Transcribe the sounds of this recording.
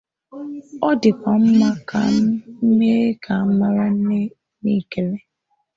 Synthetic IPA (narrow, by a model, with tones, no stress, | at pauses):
ɔ˦dɪ˨kʷa˨m̩˦ma˦kʰa̰˦n̩˦me˦e˦kʰa˨˦m̩˦ma˦ɾa˦n̩˦ne˦ | ni˦ke˨le˦